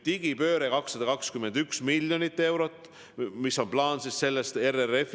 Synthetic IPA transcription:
t̪iɡ̥ipø̞ːɾekɑksːɑd̪ɑkɑkskymːe̞nd̪yksmilʲjo̞nit̪ːˑe̞wɾo̞t̪ˑː | miso̞nplɑːnsisse̞lːest̪ereref

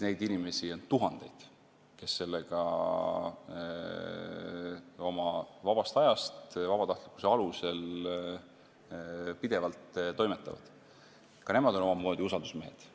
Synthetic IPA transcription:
ne̞jd̪inime̞sio̞nt̪uɦɑnd̪̥e̞jd̪̥ | ke̞sːe̞lːeɡ̥ɑ̰ | o̞mɑvɑb̥ɑst̪ɑjɑst̪vɑb̥ɑt̪ɑht̪likːˑu̥se̞ɑluse̞l | pid̪̥e̞vɑlt̪t̪o̞jmet̪ːˑɑ̰vɑ̰d̪̥ | kɑne̞mɑd̪o̞no̞mɑmo̞ːd̪̥iusɑld̪usme̞ɦḛd̪̥

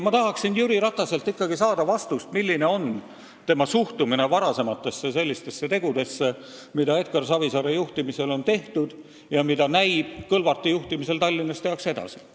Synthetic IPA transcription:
mɑt̪ɑɦɑksinjyɾiɾɑt̪ːˑɑse̞lt̪ːikːɑɡ̥isɑːd̪̥ɑvɑst̪ust̪milʲːine̞o̞n | t̪e̞mɑsuht̪umine̞vɑɾɑse̞mɑt̪ːˑe̞sːese̞lʲːist̪e̞sːe̞t̪e̞ɡ̥ud̪̥e̞sːe̞ | mid̪ɑe̞d̪̥̚kɑrsɑvisɑɾejuht̪imise̞lo̞nt̪e̞ht̪ud̪̥ | jɑmid̪̥ɑnæjb̥kɤlvɑrt̪ːˑijuht̪imise̞lt̪ɑlʲːinːɑst̪eɑkse̞d̪̥ɑ̰si̥

